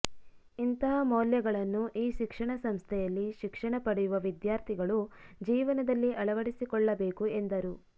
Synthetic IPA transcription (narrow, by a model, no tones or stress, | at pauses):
int̪ɐɦɐmoːljɐɡɐɭɐnːuʔiːʃikʂɐɳɐsɐmst̪ʰɛjɐlːiʃikʂɐɳɐpɐɽɛjuʋɐʋid̪jaːɾt̪ʰiɡɐɭud͡ʒiːʋɐnɐd̪ɐlːiʔɐɭɐʋɐɽisikɔɭːɐbe̞ːkuend̪ɐɾu